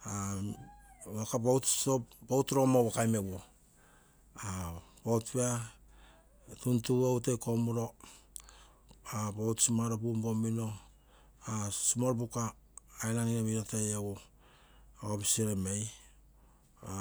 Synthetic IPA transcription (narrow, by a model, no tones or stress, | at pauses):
a | βakabowtobowtɾomowakajmeβo | abowtpea | tuntuowtejkomuɾo̞ | abowtsimaɾopumbomino̞ | asimoɾpukaː | jlaniɾemiɾotejaɡo | opiseɾemej